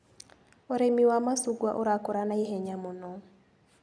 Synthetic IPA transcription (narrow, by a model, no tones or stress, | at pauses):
oɾemiwamasuɡwaʔoɾakɔɾanaiɦɛɲamonɔ